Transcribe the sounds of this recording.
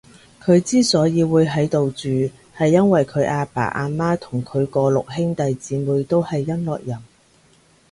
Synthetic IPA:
kʰɵ˨˧ɥt͡siː˥sɔː˨˥jiː˨˧wuː˨˧jɦɐ˨˥jt̪o˨wt͡ʃyː˨ | hɐ˨jːɐ˥nwɐ˨jkʰɵ˨˧ɥʔaː˧pa̰ː˨˩ʔaː˧nmaː˥t̪ʰʊ˨˩ŋkʰɵ˨˧ɥkɔː˧lʊ˨k̚ɦɪ˥ŋt̪ɐ˨jt͡siː˨˥muː˨˧jt̪o˥whɐ˨jːɐ˥nlɔ̰ː˨k̚jɐ˨˩m

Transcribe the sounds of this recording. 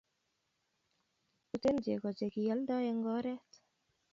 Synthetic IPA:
u˨te˦nd͡ʒḛ˨kɔ˨d͡ʒe˨ki˨ja˨˦ldɔ˦ɛ˨ŋɡɔ˦ɾɛ˦t

